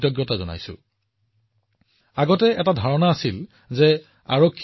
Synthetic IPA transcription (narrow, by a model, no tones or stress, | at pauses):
tɔɡjɔtazɔna̰jsʊ̰ | aɡɔtɛɛtadʱaɹɔnaːsil | zɛ | a̰ɹokʰː